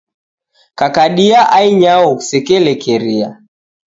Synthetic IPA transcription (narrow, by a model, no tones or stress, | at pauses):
kakaɗiaʔaiɲawɔkusɛkɛlɛkɛɾia